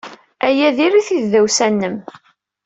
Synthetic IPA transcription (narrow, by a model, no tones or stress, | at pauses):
æjæðiɾiθiððæwsænːəm